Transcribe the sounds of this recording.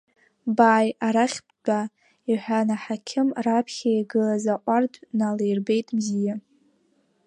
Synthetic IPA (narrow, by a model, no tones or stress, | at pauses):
baːjaɾaχʲb | a | iħʷᶣanaħakʲʰɪmrapʰχʲajɡɨlazaʔʷʼardnalejrbe̞jtʼʰmzija